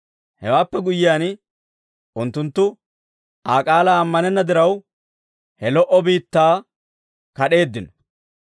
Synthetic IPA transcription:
hɛwaːpːɛɡʊjɪjaːn | ʔʊnt̪ːʊnt̪ːʊ | ʔaːkʼaːlaːmːɐnɛnːɐd̪ɪɾɐw | hɛlɔʔɔbiːt̪ːaː | kɐɗe̞ːd̪ːɪnɔ̥

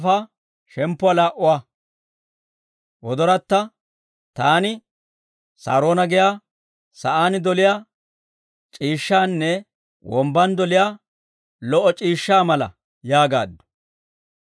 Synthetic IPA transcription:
faː | ʃɛmpːʊwalaːʔʊwaː | wɔd̪ɔɾɐt̪ːɐ | t̪aːnɪ | sa̰ːɾoːnɐɡɪjaː | sɐʔaːnɪd̪ɔlɪjaː | t͡ʃʼiːʃːaːnːɛ | wɔmbɐnd̪ɔlɪjaː | lɔʔɔt͡ʃʼiːʃːaːmɐlɐ̰ | jaːɡa̰ːd̪ːʊ̥

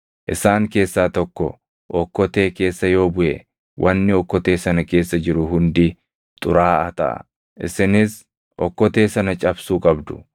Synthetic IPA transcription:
ʔɪsaːŋke̞ːsːaːt̪ɔkːɔ̰ | ʔɔkːɔt̪e̞ːke̞ːsːɐjo̞ːbʊʔɛ̰ | wʔɐnːɪɔkːɔt̪e̞ːsɐnɐke̞ːsːɐd͡ʒɪɾʊɦʊnd̪ɪ | t̪ʼʊɾaːɐt̪ɐ̰ʔɐ̰ | ʔɪ̰sɪnɪs | ʔɔ̰kːɔt̪e̞ːsɐnɐt͡ʃʼɐbsuːkʼɐbd̪ʊ̥

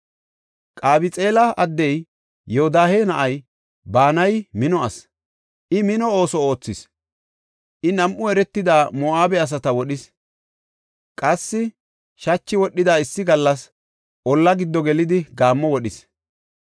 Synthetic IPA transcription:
kʼaːbɪt͡sʼe̞ːlɐɐd̪ːɛjː | ɔɔd̪aːheːnɐʔɐj | baːnɐjmɪnɔɐs | ʔɪmɪnɔo̞ːsɔo̞ːt͡sːɪs | ʔɪnɐmʔʊɛɾɛt̪ːɪd̪aːmɔːaːbɛɐs̬ɐt̪ɐwɔɗɪs | kʼɐsːɪ | ʃɐt͡ʃːɪwɔɗːɪd̪aːɪsːɪɡɐlːɐs | ʔɔlːɐɡɪd̪ːɔɡɛlɪd̪ɪɡaːmːɔwɔɗɪs

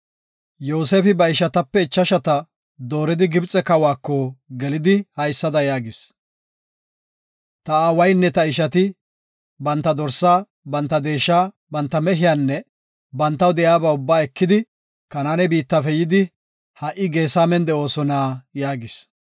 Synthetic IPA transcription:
joːseːfɪbɐɪʃɐt̪ɐpːɛɪt͡ʃːɐʃɐt̪ɐ | d̪o̞ːɾɪd̪ɪɡɪbt͡sʼɛkɐwaːkːɔɡɛlɪd̪ɪhɐjsːɐd̪ɐjaːɡɪs | t̪ɐaːwɐjnːɛt̪ɐɪʃɐt̪ɪ | bɐnt̪ːɐd̪ɔɾsːaː | bɐnt̪ːɐd̪eːʃːaː | bɐnt̪ːɐmɛɦɪjaːnːɛ | bɐnt̪ːɐwd̪ɛjaːbɐʊbːaːɛkːɪd̪ɪ | kɐnaːnɛbiːt̪ːɐfɛjɪd̪ɪ | hɐʔɪɡe̞ːsaːmɛnd̪ɛo̞ːsɔnaːjaːɡɪs

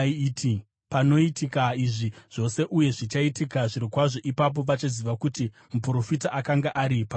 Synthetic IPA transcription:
ti | pano̞itikaiʐiʐ̥o̞se̞ʔuje̞ʐit͡ʃaitikaʐiɾikwaʐo̞ʔipap̬o̞ʋat͡ʃaziʋakuti | mupuro̞fitaʔakaŋɡaʔaɾipa

